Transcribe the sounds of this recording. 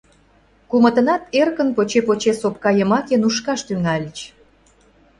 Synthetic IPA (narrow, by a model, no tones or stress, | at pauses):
kumə̆t̪ə̆nɑt̪erkənpot͡ɕepot͡ɕesop̚kɑjəmɑkenuʃkɑʃt̪yŋɑlʲt͡ɕ